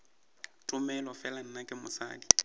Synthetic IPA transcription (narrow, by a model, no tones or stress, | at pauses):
tʼʊmɛlɔfɛlan̩nakʼɪmʊ̰sa̰ːkʼi